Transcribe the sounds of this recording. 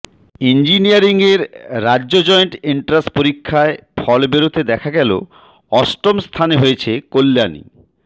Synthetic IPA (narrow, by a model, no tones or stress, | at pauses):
ind͡ʑiniaɾiŋeɾːadːʑod͡ʑɔeɳʈiɳʈɾaspoɾikʰːaefɔlbeɾot̪ʰed̪ɛkʰaɡɛlo̰ | ɔsʈomst̪ʰaneɦojet͡ɕʰekolːanḭ